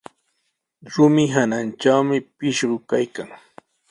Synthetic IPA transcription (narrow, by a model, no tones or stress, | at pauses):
ɾʊmɪɦanant͡ʃawmɪpɪʃɢʊkajkaŋ